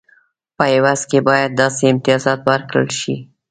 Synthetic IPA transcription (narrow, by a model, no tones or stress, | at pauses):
pəɪwɑzkebɑjad̪̚ːɑseɪmt̪ɪjɑzɑt̪wəɾkɽə̰lʃi